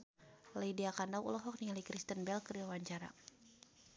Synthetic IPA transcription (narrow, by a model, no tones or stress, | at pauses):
lejdiakandawʔṵlɔɦɔk̚nialikɾist̪ənbɛlkəriawaɲt͡ʃaɾa̰